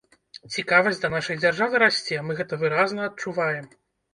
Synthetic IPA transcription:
t͡sʲikavɐsʲd̪ɐnaʂɐjd͡zʲarʐavɨɾasʲt͡sʲɛmɨɣɛt̪ɐvɨɾaznɐɐt̪̚t͡ʂuvajɛm

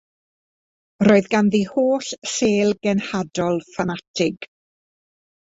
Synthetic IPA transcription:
roːɨðɡanðihoːɬseːlˠɡɛnhadɔlˠfanatʰɪɡ̥

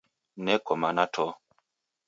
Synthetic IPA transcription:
nɛkɔmanatʰɔ

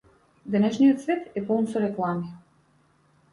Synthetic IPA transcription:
d̪ɛnɛʃnijɔt̪svɛt̪ɛpɔlˠnsɔɾɛklˠami

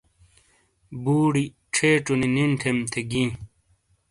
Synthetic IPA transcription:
buːɽi | ʈ͡ʂʰeːʈ͡ʂunininʈʰemt̪ʰeɡĩː

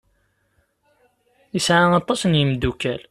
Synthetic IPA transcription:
əsʕaɑt̪ˤːɑsnjəmd̪ukːæl

